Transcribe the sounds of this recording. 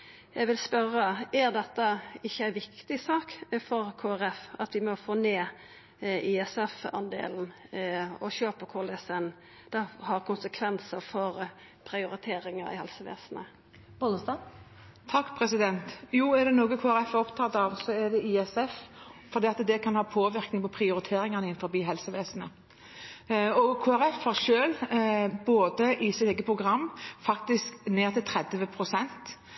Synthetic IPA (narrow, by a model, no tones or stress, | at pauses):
jæɡʋɪlspœɾːəæɾd̪ɛt̪ːəɪçːəæɪʋɪkt̪ɪsɑːkfɔɾkʰoːæɾɛfɑt̪ʋɪmɔfoːneː | ʔiɛsɛfɑ̰nd̪ḛːln̩ | ɔɕøːpəkʰɔlɛsən | d̪̥ɛhɑɾkʰʊnsəkʰʋɛnsəɾfɔɾ | pʰɾɪʊɾɪt̪ʰeːɾɪŋɑɾɪ̰hɑ̰lsəʋḛːsnə | bod̪əst̪ɑ | t̪ʰɑkːpʰɾɛsɪd̪ɛnt̪juːɛd̪ɛnoːɡəkʰoːæɾɛfɔpt̪ʰɑːt̪ɑʋsɔɛd̪ɛʔiɛsɛffɔɾd̪iːɑt̪d̪ɛkʰɑnhɑːpʰoːʋɪʁknɪŋpʰɔpʰɾɪʊɾɪt̪ʰeːɾɪŋɑnəɪnfɔɾbiːɦɛlsəʋeːsənə | ɔkʰoːæɾɛfhɑʁʃøːlboːd̪əʔɪsɪt̪eːɡəpʰʁʊɡʁɑmːfɑkt̪ɪskneːʁt̪ʰɪlt̪ʰɾɛd̪ʋəpʰɾʊsɛnt̪